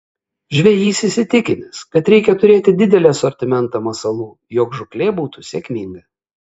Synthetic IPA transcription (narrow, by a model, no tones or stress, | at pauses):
ʒʲʋʲɛjiːsʲɪsʲɪt̪ʲɪkʲɪnʲɪskɐt̪ɾʲɛɪkʲɛt̪ʊɾʲeːt̪ʲɪd̪ʲɪd̪ʲɛlʲeːsɔɾʲt̪ʲɪmʲɛnt̪ɐmɐsɐlˠuː | joːkʒʊklʲeːbuːt̪usʲeːkʲmʲɪŋɡɐ